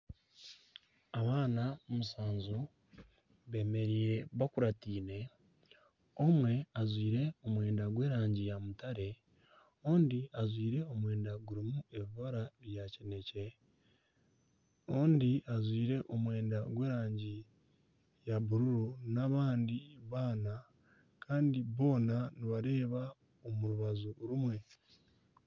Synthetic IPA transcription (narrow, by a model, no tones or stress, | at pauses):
aβaːnaomusaːnzu | βe̞ːme̞ɾiːɾe̞βakuɾatiːne̞ | o̞mwe̞azwiːɾe̞o̞mwe̞ːndaɡwe̞ːɾaːɲɟijamutaɾe̞ | oːndiazwiːɾe̞o̞mwe̞ːndaɡuɾimue̞βiβaɾaβjacene̞ce̞ | o̞ːndiazwiːɾe̞ʔo̞mwe̞ːndaɡwe̞ːɾaːɲɟi | jaβuɾuɾonaβaːndiβaːna | kaːndiβo̞ːnaniβaɾe̞ːβa | omuɾuβazuɾumwe̞